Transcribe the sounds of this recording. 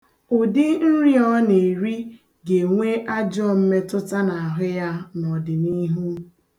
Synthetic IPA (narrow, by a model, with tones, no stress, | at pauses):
ʊ˨dɪ˦n̩˦ɾi˦ɔ˦ne˨ɾi˦ | ɡe˨ŋʷe˦ʔa˦d͡ʒɔ˦m̩˦me˦tʊ˦ta˦na˨a˨ɦʊ˦ja˦nɔ˨dɪ˨ni˦ɦu˦